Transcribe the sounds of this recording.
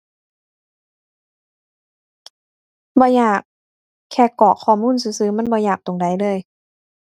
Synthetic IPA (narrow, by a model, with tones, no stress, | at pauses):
bɔː˧˦jaː˨˩kʰː | ɛː˧˩kɔː˨˩kʰɔː˨˩muː˧˥˨ns̬ɯː˧˦sɯː˨˦ma˧˥˨nbɔː˧˦jaː˨˩k̚t̪o˨˩ŋda˧˩jlɤː˧˥˨j